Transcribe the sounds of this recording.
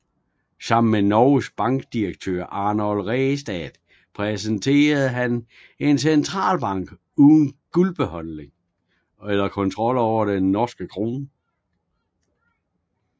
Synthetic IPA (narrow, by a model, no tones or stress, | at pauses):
sɑ̈m̰n̩menɒʊsb̥ɑ̈ŋɡ̥d̥iʁɐɡ̥̚t͡sʰø̰ːɐ̰ʔɑ̈ːnɒlʁɛsd̥ɛð̥ | pʰʁɛsent͡sʰe̝̰ːɐð̞̩ˠɦæn | e̝nsent͡sʰʁɑ̰̈ːlb̥ɑ̈ŋ̰ɡ̥ | uːðˠn̩ɡ̥ulb̥əhɒ̽nne̝ŋ | elɐkʰɔ̽nt͡sʰʁɒ̽l̰ɒʊ̰ɐd̥enːɒsɡ̥əkʰʁoːn